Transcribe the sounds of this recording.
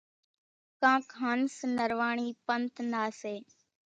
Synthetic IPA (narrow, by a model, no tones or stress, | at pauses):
kãːkʰaːnsnəɾʋaːɳ̃iːpənt̪naːseː